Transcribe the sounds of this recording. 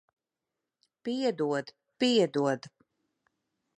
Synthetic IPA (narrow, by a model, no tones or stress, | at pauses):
piɛd̪uɔd̪ | piɛd̪uɔd̪